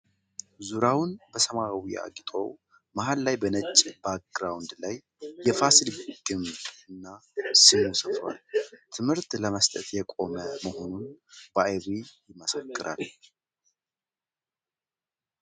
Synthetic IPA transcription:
zuɾawnbəsəmawia̰ɡʼit̪ʼo̞̰ | mahalːajbənət͡ʃʼːbaɡɾawnd̪lajː | ɛfasilɡ̥ɨmbɨnːasimusəfɾa̰lt̪ʰɨmhɨɾt̪ləməst̪ʼət̪jɛkʼo̞məməho̞nunb̥ajβijɪməsəkʼːɨɾa̰l

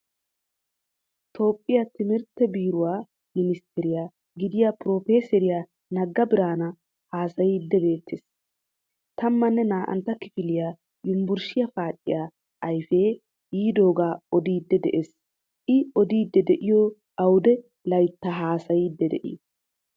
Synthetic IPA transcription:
t̪ʰo̞ːpʼːɪjat̪ɪmɪɾt̪ːɛbiːɾʊwaː | mɪnɪst̪ʰɛɾɪjaː | ɡɪd̪ɪjapɾo̞ːfe̞ːsɛɾɪja | nɐɡːɐbɪɾaːnɐ | haːsɐjiːd̪ːɛbe̞ːt̪ːeːs | t̪ɐmːɐnːɛnaːʔɐ̰nt̪ːɐkɪfɪlɪjaː | jʊmbʊɾʃɪjɐfaːkʼːɪ̰jaː | ʔɐjfe̞ː | jiːd̪o̞ːɡaːɔd̪iːd̪ːɛd̪ɛʔes | ʔɪɔd̪iːd̪ːɛd̪ɛʔɪjɔ | ʔɐwd̪ɛ | lɐjt̪ːaɦaːsɐjiːd̪ːɛd̪ɛ̰ʔḭ

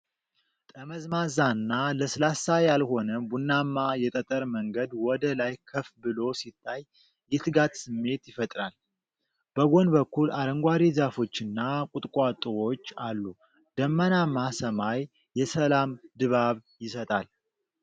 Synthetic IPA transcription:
t̪ʼəməzmazanːaləsɨlasajalho̞nəbunːamːajɛt̪ʼət̪ʼəɾməŋɡəd̪wɔd̪əlajkʰəfbɨlo̞sit̪ʰːajː | ɛt̪ʰɨɡat̪sɨmːe̞t̪jɪfət̪ʼɾal | b̥əɡo̞nbəkʰːulaɾəŋɡʷaɾizafo̞t͡ʃːɨnːakʼut̪ʼkʼat̪ʼɨwo̞t͡ʃːalːu | d̪̥əmːənamasəmaj | jɛsəlamd̪ɨβaβjɪsət̪ʼal

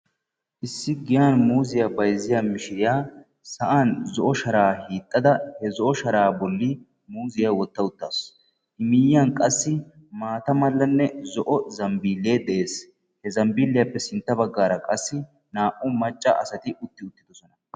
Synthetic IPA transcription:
ʔɪsːɪɡɪjaːnmuːzɪjaːbɐjzːɪjaːmɪʃɪjaː | sɐʔaːnzɔʔɔʃɐɾaːhiːt̪ʼːɐd̪ɐhɛzɔʔɔʃɐɾaːbɔlːɪ | muːzɪjaːwɔt̪ːɐʊt̪ːaːs | ʔɪmɪjaːnkʼɐsːɪmaːt̪ɐmɐlːɐnːɛzɔʔɔzɐmbiːlːeːd̪ɛʔeːs | hɛzɐmbiːlːɪjapːɛsɪnt̪ːɐbɐɡːaːɾɐkʼɐsːɪ | naːʔʊmɐt͡ʃʼːɐ̰ʔɐ̰sɐt̪ɪʔʊt̪ːɪʊt̪ːɪd̪ɔsɔnɐ

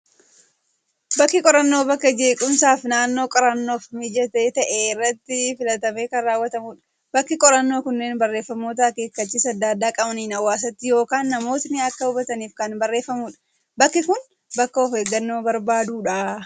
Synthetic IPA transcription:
bɐkːɪkʼɔɾɐnːo̞ːbɐkːɐd͡ʒe̞ːkʼʊmsaːfnaːnːo̞ːkʼɔɾɐnːo̞ːfmɪd͡ʒɐt̪eːt̪ɐʔeɪrːɐt̪ːɪfɪlɐt̪ɐme̞ːkɐnraːwːɐt̪ɐmʊᶑɐ̥ | bɐkːɪkʼɔɾɐnːo̞ːkʊnːe̞ːnbɐrːe̞ːfːɐmo̞ːt̪̬ɐke̞ːkːɐt͡ʃːiːsɐd̪ːad̪ːaːkʼɐbɐniːnɐwːaːs̬ɐt̪ːɪjo̞ːkaːnːɐmo̞ːt̪nɪɐkːɐʊbɐt̪ɐniːfkɐnbɐrːe̞ːfːɐmʊᶑɐ | bɐkːɪkʊn | bɐkːɐɔfhe̞ːɡːɐnːo̞ːbɐɾbaːd̪uːᶑaː

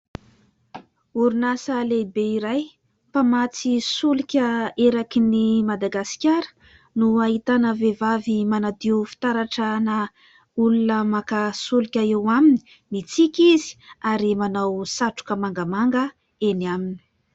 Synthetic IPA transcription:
uɾunasəlebeiɾaj | pamat͡sisulikʲəeɾakinimad̪aɡasi̥kʲaɾə̥ | nuaɦit̪anəvevavimanad̪iufi̥t̪aɾaʈ͡ʂana | ulunəmakasulikʲəewamini̥ | mit͡sikʲizi̥aɾimanawsaʈ͡ʂu̥kəmaŋɡamaŋɡə | eniamini̥

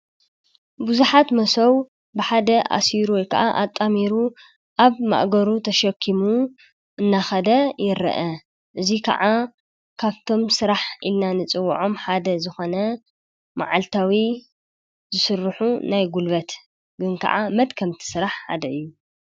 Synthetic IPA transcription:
buzuħat̪mɐsɐw | bɨħad̪ɐʔa̰siɾuwɔjkʰɐ̰ʔaʔat̪ʼːamiɾu | ʔaβma̰ʔɡɐɾut̪ʰɐʃɐkʰːimu | ʔɨnːaxɐd̪ɐjɪɾɐ̰ʔɐ | ʔɨzikʰɐ̰ʕa | kʰaβt̪ʰo̞msɨɾaħʔḭlnanɨt͡sʼɨwːʕo̞mħad̪ɐzɨxonɐ | ma̰ʕalt̪ʰawi | zɨsɨrːɨħunajɡulβɐt̪ | ɡɨnkʰɐ̰ʔamɐd̪kʰɐmt̪ʰi̥sɨɾaħħa̰d̪ɐɨjːu

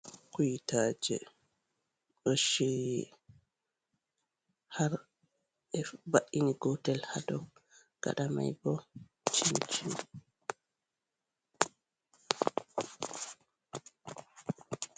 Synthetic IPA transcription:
kujtaːd͡ʒɛ̰ | ʔoʃi | haɾ | ɛbaʔiniɡɔtɛlhadɔ | ɡ̥a̰ɗama̰jbɔ | t͡ʃint͡ʃin

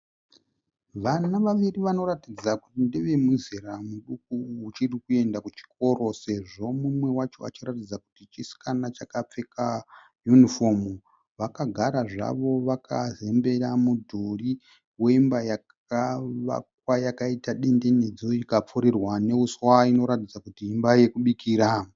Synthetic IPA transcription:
ʋanaʋaʋiriʋano̞ɾatid͡zakutindeʋe̞muzeɾamuɗukuut͡ʃirikue̞ndakut͡ʃi̥ko̞ro̞se̞ʐo̞mumwe̞wat͡ʃo̞a̰t͡ʃiɾatid͡zaku̥tit͡ʃisi̥kanat͡ʃakap͡fe̞ka | junifom | ʋakaɡʱaɾaʐa̰ʋo̞ʋakʰaze̞mbe̞ɾamudʱori | we̞imbajak | aʋa̰k̚wajakaitaɗe̞nde̞ned͡zo̞ikap͡fuɾirwane̞uswaino̞ɾatid͡zakutiːmbaje̞kuɓikiːɾa

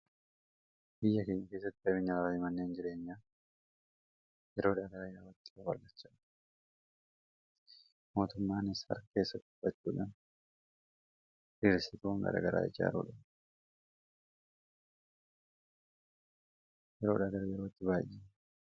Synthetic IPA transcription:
b̥ɪjːɐke̞ːɲːɐkeːsːɐt̪ːɪɐbɪɲːɐɾaːɪmɐnːeːnd͡ʒɪɾe̞ːɲːaː | jɛɾoːᶑɐɡɐɾɐjɛɾawɐt̪ːɪ̥kɐwɐ̰ɾɡɐt͡ʃːɐ̥ | mo̞ːt̪ʊmːaːnɪshɐ̰ɾke̞ːsːɐt̪ːʊ̥b̥ːɐt͡ʃːṵːᶑaːn | ʔɪɾsɪk̪uːŋɡɐ̰ɾɐa̰ɡɐɾa̰ːɪd͡ʒa̰ːɾṵːᶑɐ̰n | jɛɾo̞ːᶑɐɡɐɾjɛɾot̪ːɪbaːʔi

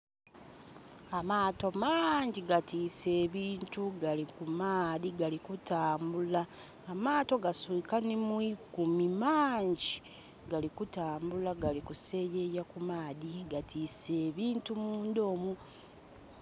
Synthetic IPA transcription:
amaːto̞maːɲɟiɡatiːse̞ːβiːntuɡalikumaːðiɡalikutaːmbulaː | maːto̞ɡasuikanimwikumimaːɲɟi | ɡalikutaːmbulaɡalikuse̞ːjejakumaːðiɡatʰiːse̞ːβiːntumuːndo̞ːmu

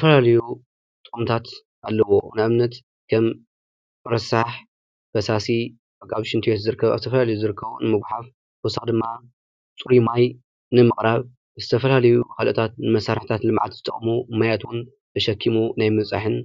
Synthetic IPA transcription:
zfɐlalɐju | t̪ʼɨχʼumt̪ʰat̪ | ʔalːɐwo̞nɨʔɨmnɐt̪ | kʰɐm | ɨɾɐsaħ | b̥ɐsasi | bɐkʼːaβʃɪnt̪ʰjet̪zɨɾɨkʰːɐβa̰zɨt̪ʰɐfɐlalɐjuzɨɾɨkʰːɐβunɨmɨɡʷħaf | kusad̪ɨmːa | t͡sʼuɾimaj | nɨmɨχʼɾaβ | zɨt̪ʰɐfɐlalɐjukʰalʔət̪ʰat̪̚nɨmɐsːaɾħt̪ʰat̪lɨmʕa̰t̪z̥ɨt̪ʼɐχʼmumajat̪wʊn | b̥ɨʃɐkʰːimunajmɨt͡sʼa̰ħɨn

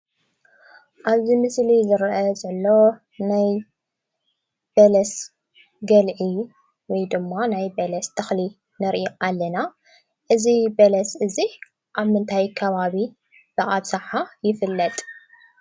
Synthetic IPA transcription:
ʔaβzimɨslizɨɾʔɐzɐlːo̞ | naj | b̥ɐlɐs | ɡɐlʕi | wɔjd̪ɨmːanajbɐlɐst̪ʰɐxli | nɐɾʔiʔalːɐna | ʔɨzibɐlɐsʔɨzi | ʔaβmɨnt̪ʰajkʰɐβaβi | b̥ɨʔʼabsɐħajɪfɨlːɐt̪ʼ

